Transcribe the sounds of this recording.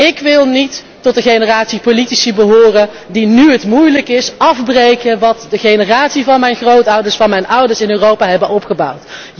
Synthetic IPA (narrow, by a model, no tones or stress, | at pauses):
ɪkʋɪlˠnitː | ɔtəχejnəraːtsipolitisibəɦʊːrən | dinyɦətmujləkɪsɑvbrejkənʋɑtdəχejnəraːtsivɑnmɛjnχrowtʌwdəɹsfɑnmɛjnʌwdəɹsɪnøːrowpaːɦɛbənɔpχəbʌwt